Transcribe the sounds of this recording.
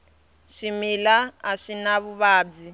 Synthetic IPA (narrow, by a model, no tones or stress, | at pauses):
ʂimilaaʂinaβuβaːb͡ʐi